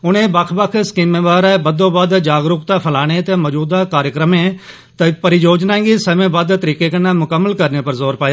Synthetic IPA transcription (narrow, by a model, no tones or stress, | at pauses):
ʊnẽːbəkʰbəkʰskiːmẽːʋaːɾabəd̪õːbad̪d͡ʒaːɡɾʊkt̪ãːpʰəlaːɽ̃eːt̪eːməːd͡ʒuːd̪aːkaːɾjəkɾəmẽː | t̪pəɾid͡ʒoːd͡ʒnãːɡiːsəmẽːbəd̪t̪əɾiːkeːkənãːmʊkəmːəlkəɾneːpəɾzoːɾpaːjaː